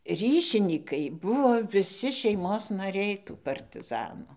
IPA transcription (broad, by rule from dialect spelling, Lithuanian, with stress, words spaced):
ˈrʲiːʃʲɪnʲiːkɐɪ ˈbʊʋoː ʋʲɪˈsʲɪ ʃʲɛɪˈmoːs nɐˈrʲɛɪ tuː pɐrʲtʲɪˈzɑːnuː